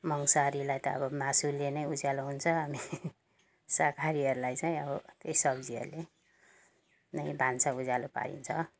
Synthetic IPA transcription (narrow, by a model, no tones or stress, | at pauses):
mʌŋsaɾilajt̪ʌʌ̰bʌmasulenʌjud͡zaloɦunt͡sʰʌɦami | sakʰaɾiɦʌɾulajt͡saj̃ʌbʌt̪eisʌbd͡ziʌ̰ɾule | nʌjbʱansaud͡zalopa̰ɾḭnt͡sʰʌ